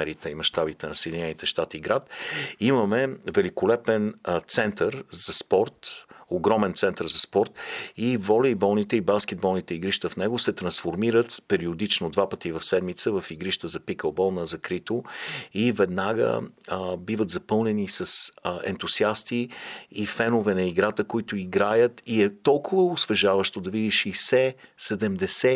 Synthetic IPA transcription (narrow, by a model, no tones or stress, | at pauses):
ɛɾit̪əimɐʃt̪abit̪ɛnɐsɛd̪inɛnit̪ɛʃt̪at̪iːɡɾat̪iməmɛvɛlikolɛpɛnt̪sɛnt̪əɾzɐspɔɾt̪oɡɾɔmɛnt̪sɛnt̪əɾzɐspɔɾt̪ivɔlʲəibɔlˠnit̪ɛibanskɛd̪̚bɔlˠnit̪ɛiɡɾiʃt̪əfnɛɡosɛt̪ɾɐnsfoɾmiɾət̪pɛɾiod̪it͡ʃnod̪vapət̪ivɐfsɛd̪mit̪səvɐfiɡɾiʃt̪əzɐpikəlˠbɔlˠnɐzɐkɾit̪oivɛd̪naɡə̰bivət̪zɐpɤlˠnɛnisəsɛ̰nt̪usiast̪iifɛnʊvɛnɐiɡɾat̪əkoit̪ʊiɡɾajət̪iɛt̪ɔlˠkʊvəosvɛʒavəʃt̪od̪ɐvid̪iʃɛsɛsɛd̪ɛmd̪ɛsɛ